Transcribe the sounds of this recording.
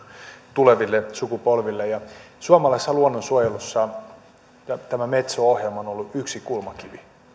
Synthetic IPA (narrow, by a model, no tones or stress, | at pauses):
t̪uleʋilːesukupolʋilːejɑ | suɑmɑlɑisːɑluonːonsuojelusːɑ | ɑt̪æmæmet̪soohjelmɑonolːuʔyksikulmɑkiʋi